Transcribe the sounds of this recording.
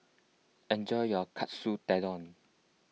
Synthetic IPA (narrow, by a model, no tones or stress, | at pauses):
ɛ̃nd͡ʒɔjjɔkʰatsutɛdɔ̃n